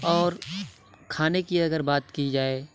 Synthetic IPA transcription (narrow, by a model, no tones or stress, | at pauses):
ɔːɾ | kʰaːnekiɐɡəɾbaːt̪kid͡ʒaːeː